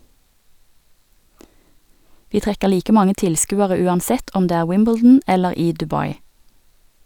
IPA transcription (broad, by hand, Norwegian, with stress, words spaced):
ˈʋiː ˈtʁɛkə ˈliːkə ˈmɑŋə ˈtɪlˌskʉːəʁə ˈʉːɑnˌsɛt ˈɔm ˈdeː ˈæːʁ ˈwɪmbl̩dn̩ ˈɛləʁ ˈiː dʉˈbɑɪ